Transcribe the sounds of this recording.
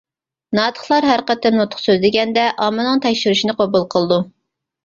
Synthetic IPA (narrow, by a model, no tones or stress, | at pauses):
nɑːt̪ʰə̥χlˠɑɾɦæɾqət̪ɪmnot̪ʰʊ̥χsøzd̪ɪɡʲɛnd̪ɛʔɑmɨnɨŋt̪ʰɛkʲʃyɾyʃinɨqʰobulˠqʰəlˠɨd̪u